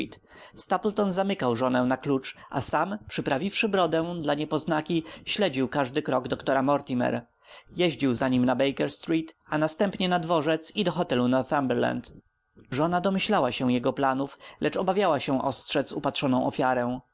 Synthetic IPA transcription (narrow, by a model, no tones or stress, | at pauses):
t̪ | st̪aplt̪ɔnzamɘkawʐɔnɛ̃naklut͡ʂʔa̰sampʂɘpɾavʲifʂɘbɾɔd̪ɛw̃d̪laɲɛpɔznakʲiɕlɛd͡ʑiwkaʐd̪ɘkɾɔɡd̪ɔkt̪ɔɾamɔɾt̪ʲimɛ̰ɾ | jɛʑd͡ʑiwzaɲimnabɛjkɛɾst̪ɾit̪anast̪ɛmpɲɛnad̪vɔʐɛt̪sid̪ɔxɔt̪ɛlunɔɾθambɛɾla̰nt̪ | ʐɔnad̪ɔmɘɕlawaɕɛw̃jɛɡɔplanuflɛt͡ʂɔbavʲjawaɕɛ̃ʔɔ̰stʂɛt̪supat̪ʂɔnɔ̃w̃ʔɔfʲjaɾɛw̃